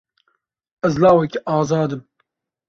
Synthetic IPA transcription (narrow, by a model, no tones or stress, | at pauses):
ɛzlɑːwɛkɛʔɑːzɑːd̪ɨm